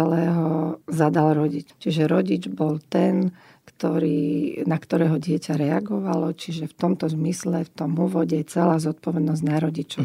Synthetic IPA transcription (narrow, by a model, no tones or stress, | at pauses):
ɛlɛːɦɔzad̪alɾɔɟict͡ʃiʒɛɾɔɟid͡ʒbɔlt̪ɛn | kt̪ɔɾiːnakt̪ɔɾɛːɦɔɟɪɛcaɾɛaɡɔʋalɔt͡ʃiʒɛft̪ɔmt̪ɔzmislɛft̪ɔmuːʋɔɟɛt͡sɛlaːzɔt̪̚pɔʋɛd̪nɔzɟnaɾɔɟit͡ʃɔʊ